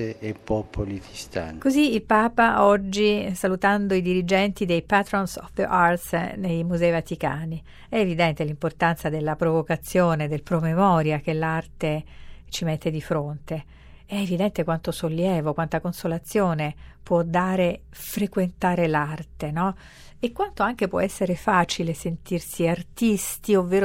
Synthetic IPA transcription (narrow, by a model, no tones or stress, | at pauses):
eepːɔpʰolit̪ist̪a̰nkoziːlpaːpaɔd͡ʒːisalut̪and̪oid̪iɾid͡ʒɛnt̪id̪ejpat̪ɾɔnsɔ̰fʔart̪snejmuzɛːivat̪ika̰ːni | ɛːvid̪ɛnt̪elimport̪ant̪sad̪elːapɾovokat̪sːjoːned̪elpɾomemɔːɾjak̟elːart̪et͡ʃimet̪ːed̪ifɾont̪e | ɛːvid̪ɛnt̪ekwant̪osolːjɛːvokwant̪akonsolat̪sːjoːnepwɔd̪ːaːɾe | fɾekwent̪aːɾelart̪enɔ | ekwant̪oaŋk̟epwɔ̰ɛsːeɾefaːt͡ʃilesent̪irsiart̪ist̪iovːeːɾo